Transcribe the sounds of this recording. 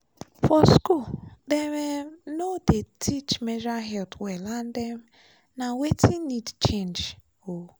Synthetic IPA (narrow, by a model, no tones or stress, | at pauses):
fɔskuldemenodetʰit͡ʃmed͡ʒaɦɛltwɛlan̩dem̩ | nawetʰinidt͡ʃẽnd͡ʒ | o